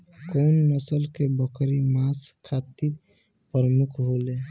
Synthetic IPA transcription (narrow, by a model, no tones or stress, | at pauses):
koːnməsəlkebəkʰɾimaːskʰːaːt̪iɾ | pɾəmukʰɦole